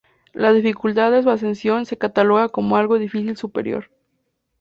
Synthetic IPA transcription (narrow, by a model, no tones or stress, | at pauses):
lazðifikult̪aððes̬was̬e̞nsjo̞nse̞kat̪alo̞ɣako̞moalɣo̞ðifisilsupeɾjo̞̰ɾ